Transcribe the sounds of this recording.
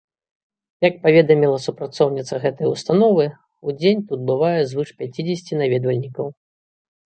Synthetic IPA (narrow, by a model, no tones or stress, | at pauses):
jɐk̚pavʲɛd̪ɐmʲilˠɐsupɾat̪sɔwnʲit̪sɐɣɛt̪ɐjust̪anɔvɨ | ud͡zʲenʲt̪ud̪̚bɨvajɛzvɨʂpʲat͡sʲid͡zʲesʲt͡sʲinavʲɛd̪vɐlʲnʲikɐw